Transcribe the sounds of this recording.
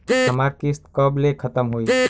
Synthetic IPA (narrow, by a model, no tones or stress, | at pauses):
ɦəmaɾkist̪kəblekʰət̪əmɦoj